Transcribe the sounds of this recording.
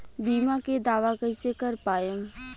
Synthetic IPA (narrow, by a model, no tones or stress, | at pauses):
biːmaked̪aːʋakəɾsekəɾpaːjəm